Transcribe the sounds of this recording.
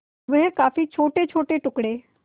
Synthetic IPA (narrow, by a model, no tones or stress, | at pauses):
ʋəɦɛkaːfit͡ʃʰoːʈet͡ʃʰoːʈeʈʊkɽeː